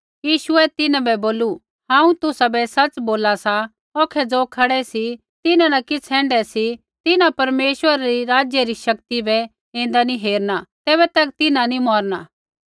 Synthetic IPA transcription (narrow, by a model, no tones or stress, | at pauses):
jiːʃʊɛt̪ɪnãbɛboːlu | hãːũt̪ʊsabɛsɐt͡ʃboːlasa | oːkʰɛd͡zoːkʰɐɽɛsi | t̪ɪnãnɐkɪt͡sʰɛ̃ːɳɖɛsi | t̪ɪnãpɐɾmeːʃwəɾaɾiɾaːd͡ʒjəɾiʃɐk̚t̪ibɛ | ẽːn̆d̪aniɦeːɾnat̪ɛːbɛt̪ɐk̚t̪ɪnãnimɔːɾnaː